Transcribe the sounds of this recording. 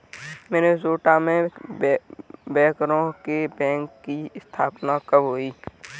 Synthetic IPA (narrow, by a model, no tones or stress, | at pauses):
mɛːnezoːʈamẽ | bɛ̃ːkɾõkebɛ̃ːŋkːiɪst̪ʰaːpnakəbɦoːiː